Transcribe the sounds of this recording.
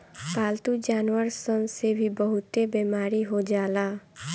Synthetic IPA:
paːlt̪ud͡ʒaːnwəɾsənsebʱibəɦʊt̪ebeːmaːɾiɦod͡ʒaːlaː

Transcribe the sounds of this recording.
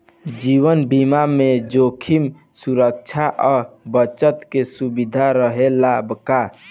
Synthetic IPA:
d͡ʒiwənbimamed͡ʒokʰim | suɾək̚t͡ʃʰaʔɔbət͡ʃət̪kesubid̪ʱaɾəɦelabka

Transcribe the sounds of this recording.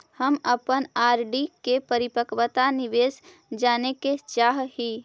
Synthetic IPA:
həməpənaːɾɖikepəɾipəkwət̪aniʋeːs | d͡ʒaːneket͡ʃaːɦɦi

